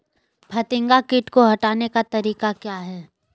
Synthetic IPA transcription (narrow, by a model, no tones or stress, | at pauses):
bʱɐt̪ɪ̃ŋɡakɪʈkoɦɐʈaːnekat̪ɐɾiːkakjaːɦɛː